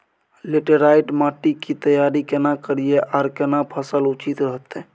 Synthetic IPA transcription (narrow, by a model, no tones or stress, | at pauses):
leʈəɾaiʈmaʈikit̪əjaɾikenakəɾijeʔaɾkenapʰəsəlut͡ʃit̪ɾəɦət̪e